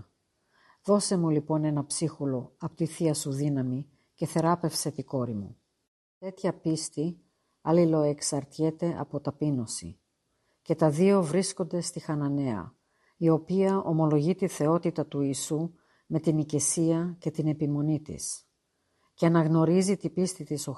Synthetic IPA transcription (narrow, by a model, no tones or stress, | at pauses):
ðo̞se̞mulipo̞ne̞nɐpsixulo̞ɐpot̪iθiɐsuðinɐmi | ce̞θe̞ɾɐpe̞fse̞t̪iko̞ɾimṵ | t̪e̞t̪çɐpist̪i | ɐlilo̞e̞ksɐɾt̪çe̞t̪e̞ʔɐ̰po̞t̪ɐpino̞sḭ | ce̞t̪ɐðio̞vɾisko̞nd̪e̞st̪ixɐnɐne̞ɐ̰ | io̞piɐʔo̞mo̞lo̞ʝit̪iθe̞o̞t̪it̪ɐt̪uiːsu | me̞t̪inicesiɐce̞t̪ine̞pimo̞nit̪ḭs | ceɐnɐɣno̞ɾizit̪ipist̪it̪iso